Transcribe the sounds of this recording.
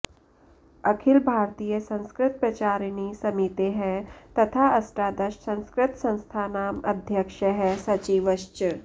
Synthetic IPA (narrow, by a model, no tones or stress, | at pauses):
ɐkʰɪlbʱaːɾt̪ijəsɐ̃nskɾɪt̪̚pɾɐt͡ʃaːɾnisɐmit̪eɦɛ̃t̪ɐt̪ʰaɐsʈaːd̪ɐʃsɐ̃nskɾɪt̪sɐ̃nst̪ʰaːnaːmɐ̰d̪ʱjəkʃəɦɛsɐt͡ʃiːʋəʃt͡ʃ